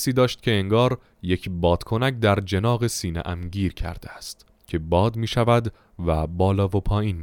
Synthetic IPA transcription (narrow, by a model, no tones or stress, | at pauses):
siːd̪ɒːʃt̪̚cʰe̞eŋɡɒːɾ | je̞cʰbɒːd̪̥kʰo̞næcd̪æɾd͡ʒe̞nɒːɣe̞siːnḛʔæmɟiːɾcʰæ̰ɾd̪eæst̪ | cʲʰe̞bɒːd̪miːʃævæd̪ | væbɒːlɒːvopʰɒːjiːnmi